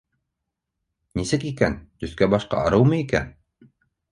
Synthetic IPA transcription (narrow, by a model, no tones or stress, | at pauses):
nisɘkikænt̪ɵ̆θkæbɑʃqɑ̰ɑɾɤwmɤikæ̰n